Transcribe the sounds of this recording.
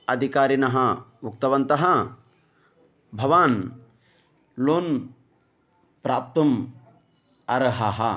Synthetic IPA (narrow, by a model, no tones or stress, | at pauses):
ɐd̪ʱikaːɾinɐɦɐuk̚t̪ɐʋɐnt̪ɐɦɐ | bʱɐʋaːn | loːn | pɾaːp̚t̪ɐm | ɐɾɐɦɐɦɐ